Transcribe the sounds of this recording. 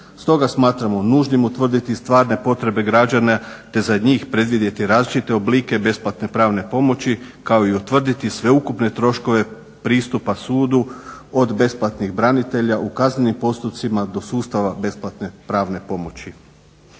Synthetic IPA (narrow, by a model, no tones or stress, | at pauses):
st̪o̞ɡasmaːt̪ɾamo̞nuːʒnimut̪ʋr̩d̪it̪ist̪ʋaːɾne̞po̞t̪ɾe̞be̞ɡɾad͡ʒanat̪e̞zaɲiːxpɾe̞d̪ʋid̪je̞t̪iɾaːzlit͡ʃit̪e̞obliːke̞be̞splˠat̪ne̞pɾaːʋne̞po̞mo̞t͡ɕikao̞iut̪ʋr̩d̪it̪isʋe̞ukupne̞t̪ɾo̞ʃko̞ʋe̞ | pɾiːst̪upasuːd̪uo̞d̪be̞splˠat̪niɣbɾanit̪e̞ʎaʔukazne̞nimpo̞st̪up̪simad̪o̞suːst̪aʋabe̞splˠat̪nepɾaːʋne̞po̞mo̞t͡ɕi